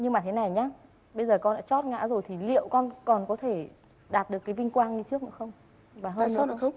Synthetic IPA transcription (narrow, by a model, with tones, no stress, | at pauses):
ɲɨ˧ŋmaː˨˩t̪ʰe˨˦na˨˩jɲaː˧˦ | ɓə˧jzəː˨˩kɔ˧nɗa̰ː˧˥t͡ɕɔ˦˥t̚ŋa̰ː˧˥zo˨˩jt̪ʰi˨˩lḭ˧˨əwkɔ˧nkɔ˨˩nkɔ˨˦t̪ʰe˧˩ | ɗaː˨˩t̚ɗɨ˨˩əkːvï˧ŋ̟kwaː˧nɲɨ˧t͡ɕɨ˦˥ək̚nɨ̰˧˥˦xə˧wŋ͡m | vaː˨˩ɦəː˧nɨ̰˧˦˧ə˧wŋ͡m